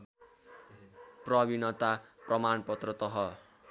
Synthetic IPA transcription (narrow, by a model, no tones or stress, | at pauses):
prʌbinʌt̪aprʌmanpʌt̪rʌt̪ʌɦʌ